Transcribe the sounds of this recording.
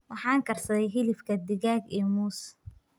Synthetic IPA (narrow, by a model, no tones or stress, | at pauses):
wɑħɑːŋkʰɐrsɐðɛjɦɪlɪfkʰɐd̪ɪɣaːɡɛːmuːs